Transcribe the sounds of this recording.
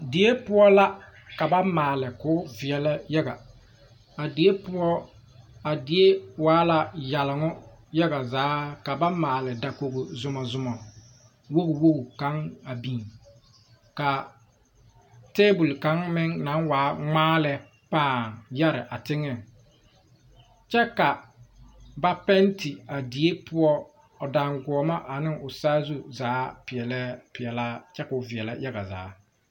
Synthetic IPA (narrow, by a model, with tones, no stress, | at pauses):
di˨e˦pʊ˦ɔ˦la˦ | ka˨ba˦maː˨lɪ˨kʊː˨˦vɪ˨ɛ˨lɪ˦ja˦ɡa̰˨ | a˨di˨˦e˦pʊ˦ɔ˦ | a˨dɪ˦e˦waː˨˦la˦ja˨lɪ˨ŋʊ˦ | ja˦ɣa˨zaː˨˦ka˨ba˦maː˨lɪ˨da˨ko˨ɣʊ˨zʊ˨mɔ˨zʊ˨mɔ˨ | wo˦ɣwo˦ɡka˨˦ŋa˨biː˨n | ka˨ | teː˦bu˨lka˦ŋmɪ˦ŋna˨˦ŋwaː˨˦ŋ͡maː˦lɛ˦ | paː˦˨ŋja˦ɾɪ˨ʔa˨tɪ˦ŋɛ˦ŋ | t͡ʃɛ˦ka˨ | ba˦pɛ˦ntɪ˨a˨di˨˦e˦pʰʊ˦ɔ˦ | ɔ˨da˨ŋɡɔ˨ma˦ʔa˨nɪ˦ŋʊ˨saː˦zu˦zaː˨˦pɪ˨ɛ˨lɛ˦pɪ˨ɛ˨la˦t͡ʃɛ˦ka˨ʊ˨vɪ˨ɛ˨la̰˦ja˦ɡa˨za̰ː˨˦